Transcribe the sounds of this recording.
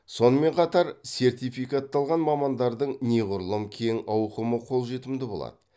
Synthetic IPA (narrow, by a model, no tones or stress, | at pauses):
so̞nəme̞ɴqʰɑt̪ɑɾse̞rt̪ijfijkat̪ːɑlˠʁɑnmɑmɑnd̪ɑɾd̪əɴneʁʊɾlˠəmkʲʰeŋɑwqəməqʰo̞lˠʒe̞t̪ɪmd̪ɪbo̞lˠɑ̰d̪ə